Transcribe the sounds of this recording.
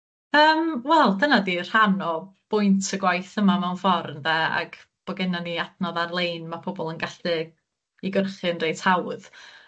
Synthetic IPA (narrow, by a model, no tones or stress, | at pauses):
əːmwɛlˠdənadir̥hanɔb̥ʊɨntʰəɡwajθəmamɛwnfɔrnðɛa̰ɡ̥ | b̥ɔɡɪnaniatnɔðarlˠejnmapʰɔbɔlˠənɡaɬdɨ | iɡərχɨnrejtʰawð